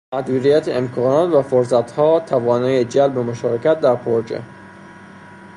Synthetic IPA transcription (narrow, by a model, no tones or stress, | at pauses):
mæd̪uːɾijæt̪ʰeemkʰɒːnɒːt̪væfoɾs̬æt̪ʰhɒːt̪ʰævɒːnɒːjed͡ʒælbemoʃɒːɾecæt̪̚d̪æɾpʰoɾd͡ʒḛ